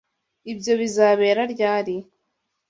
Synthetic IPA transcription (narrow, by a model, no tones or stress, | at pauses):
ibjo̞βizaːβe̞ːɾaɾɟaːɾi